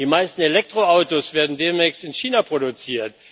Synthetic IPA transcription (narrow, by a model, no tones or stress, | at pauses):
d̥iːmaɪstn̩elɛk̚tʁ̥oaʊtosv̥eːɐdn̩deːmnɛːçstɪnʃiːnapʁ̥oɾut͡siːɐt